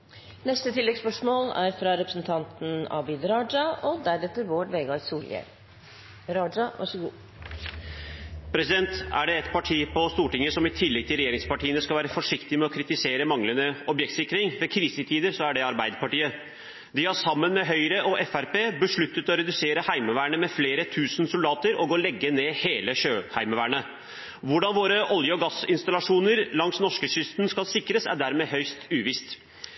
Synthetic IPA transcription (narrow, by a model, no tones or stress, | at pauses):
nɛst̪ət̪ʰɪlːɛɡspœʂmoːlæ̰ɾfɾɑɾɛpɾəsnt̪ʰɑnt̪n̩ɑ̰bɪd̪ɾɑːd͡ʒɑɔd̪æɾɛt̪ːəɾʋoːʈʋeːɡɑɾsuːljɛ̰ɾ | ɾɑːɾɑʋɑ̰ʂəɡuː | pʰɾɛsɪd̪ɛnt̪æ̰ɖɛɛt̪pʰɑʈʰiːpɔst̪uːʈɪŋːəsɔmɪt̪ʰɪlːɛɡ̚t̪ʰɪlɾɛjeːɾɪŋspɑʈiːənəskɑʋæːɾəfɔʂɪkt̪ɪmɛɔkʰɾɪt̪ɪseːɾəmɑŋlənəɔbjɛk̚t̪sɪkːɾɪŋʋɛkʰɾiːsət̪ʰiːd̪əɾsɔæɖɛɑɾbæɪd̪əpɑʈiːə | d̪ɪhɑʂɑmːənmɛɦœʏɾəʔɔʔɛfæɾpeːbəʂɭʉt̪ːət̪ɔɾɛd̪ʉseːɾəhæɪməʋæːəɳəmɛfleːɾət̪ʰʉːsənsʊld̪ɑːt̪əɾɔɡoːlɛɡːəneːheːləɕøːhæɪməʋæːɳə | ʋʊɖɑnʋoːɾəʔɔljəɔɡɑsɪ̰nst̪ɑlɑʂuːnəɾlɑŋsnɔʂkəɕʏst̪nskɑlsɪkɾəsæ̰ɖæɾmeːɦœʏst̪ʉːʋɪst̪